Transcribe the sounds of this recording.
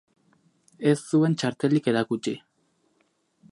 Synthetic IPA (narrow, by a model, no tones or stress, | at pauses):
e̞sːue̞nt͡ʃaɾt̪e̞like̞ɾakut͡ʃi